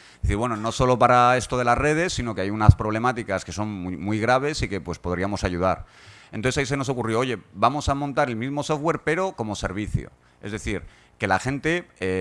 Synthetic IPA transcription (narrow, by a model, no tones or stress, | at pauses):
d̪eθiɾβwe̞nono̞so̞lo̞paɾae̞st̪o̞ð̞e̞lazre̞ð̞e̞sːino̞keajunaspɾo̞βle̞mat̪ikaske̞so̞numːwujɣ̞ɾaβ̞e̞sike̞pwe̞spo̞ðɾiamo̞saʝuð̞aɾ | enoθesais̬e̞noso̞kurjo̞oʝe̞bamo̞samõnt̪aɾe̞lmizmo̞so̞fɣwe̞ɾpe̞ɾo̞ko̞mo̞se̞̰ɾβ̞iθjo̰ | e̞̰zðe̞θiɾ | ke̞laxẽ̞nt̪e̞e